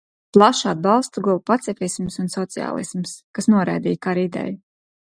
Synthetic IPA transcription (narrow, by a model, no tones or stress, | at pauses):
plˠaʃad̪̚balˠst̪uɡɔlˠupat̪sʲefʲismsunsɔt̪sia̰ːlˠḭsmskasnuɔɾa̰jd̪iːjkaɾid̪ɛ̰ju